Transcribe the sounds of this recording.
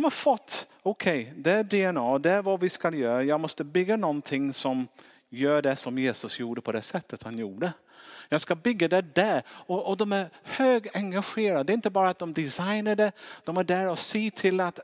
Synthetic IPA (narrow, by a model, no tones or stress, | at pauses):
d̪ɔmhaɾfɔt̪ː | ɔkʰɛɪd̪ɛæɖɛɛnɑːd̪ɛæɾvɑvɪskaljœːɾajɑːɡmɔst̪əbʏɡːanɔnt̪ʰɪŋsɔm | jœːɖɛsɔmjeːsɵsjuːɖəpʰɔd̪ɛsɛt̪ʰːət̪hanjuːɖə | jɑːɡskabʏɡːad̪ɛɖæɾɔːd̪ɔmæɾhøːɡɛŋɡaɧeːɾad̪ɛɪnt̪əbɑːɾat̪̚d̪ɔmd̪ɪsaɪnəɖɛd̪̥ɔmæɖæɾɔsiːt̪ʰɪlat̪